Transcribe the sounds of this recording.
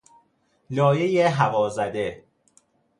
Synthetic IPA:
lɒːjejeɦævɒːzæd̪e

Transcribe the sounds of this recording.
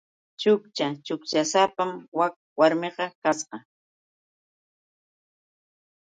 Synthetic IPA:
t͡ʃʊkt͡ʃat͡ʃʊkt͡ʃasapamwak | waɾmɪqɑkasqɑ

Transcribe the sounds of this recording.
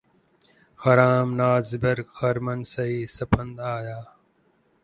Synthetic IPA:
xɐɾaːmnaːzbɐɾɡxɐɾmənsɐiːsɐpʰə̃nd̪aːjaː

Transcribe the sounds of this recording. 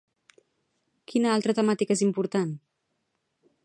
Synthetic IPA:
kʰinəalˠt̪ɾət̪əmat̪ikezimpuɾt̪an

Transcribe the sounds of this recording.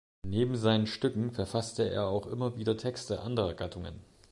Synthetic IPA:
neːbm̩zaɪnənʃtʏkŋ̩fɛɐfastəḛːɐaʊxʔɪmɐviːdɐtʰɛkstəʔandəʁɐɡ̥atʰʊŋə̰n

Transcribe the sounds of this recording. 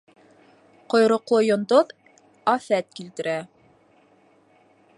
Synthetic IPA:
qŏjɾŏqlˠojŏnd̪oð | ɑθæt̪̚kilt̪ɘ̆ɾæ

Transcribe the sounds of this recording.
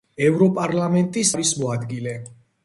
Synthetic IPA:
ɛvɾɔpʼaɾlamɛnt̪ʼisaɾismɔad̪ɡilɛ

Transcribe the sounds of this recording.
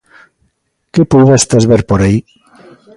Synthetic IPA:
kepuðest̪ezβeɾpoɾai

